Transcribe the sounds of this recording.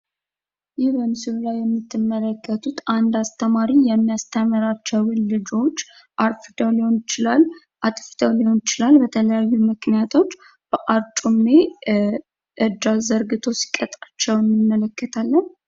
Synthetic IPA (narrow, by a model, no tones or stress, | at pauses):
jɪβənsɨlulajːɛmːit̪ʰːɨmːələkːət̪ʰut̪and̪ast̪ʰəmaɾijɛmːijast̪ʰəmɨɾat͡ʃːɛwwɨlːɨd͡ʒo̞t͡ʃː | ʔaɾfɨd̪əwliho̞nɪt͡ʃɪlalː | ʔat̪ʼfd̪əwliho̞nɪt͡ʃɪlalbət̪ʰələjajːumɨknijat̪ʰo̞t͡ʃː | b̥əʔaɾt͡ʃʼumːe | ʔɨd̪azəɾɡɨt̪ʰo̞si̥kʼət̪ʼat͡ʃːɛwjɛmːɨmːələkːət̪ʰalːən